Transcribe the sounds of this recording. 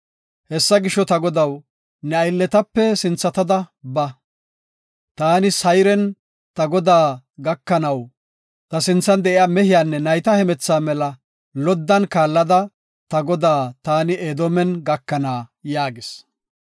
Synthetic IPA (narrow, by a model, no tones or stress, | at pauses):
hɛsːɐɡɪʃːɔt̪ɐɡɔd̪ɐw | nɛɐjlːɛt̪ɐpːɛsɪnt͡sːɐt̪ɐd̪ɐbɐ | t̪aːnɪsɐjɾɛn | t̪ɐɡɔd̪aː | ɡɐkːɐnɐw | t̪ɐsɪnt͡sːɐnd̪ɛʔɪaːmɛhɪjaːnːɛnɐjt̪ɐhɛmɛt͡sːaːmɛlɐ | lɔd̪ːɐnkaːlːɐd̪ɐ | t̪ɐɡɔd̪aːt̪aːnɪeːd̪omɛnɡɐkːɐnaːjaːɡɪs